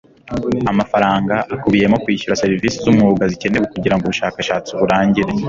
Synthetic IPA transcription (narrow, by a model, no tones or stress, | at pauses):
amafaɾaːŋɡaʔakuβije̞mo̞kwiːʃuɾaseɾiviːsezumuuɡazice̞neβukuɟiɾaŋɡoβuʃaːkaʃaːt͡siβuɾaːɲɟiɾe